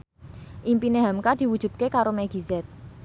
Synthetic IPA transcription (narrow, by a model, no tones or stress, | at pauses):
ʔimpineɦamkad̪̥i̤wud̥ʒ̥ṳd̪̚kekaɾomɛɡ̥izɛt̪̚